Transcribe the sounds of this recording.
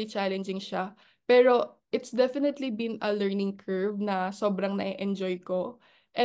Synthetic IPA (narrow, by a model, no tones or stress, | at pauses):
it͡ʃalɛnd͡ʒɪŋʃa | pɛːɾo̞ʔɪt̪sd̪ɛfɪnɛt̪libinɐlɛɹnɪŋkʰɛɹvnɐso̞ːbɾɐŋnɐ̰ʔɛʔɛnd͡ʒojko̞ | ʔɛ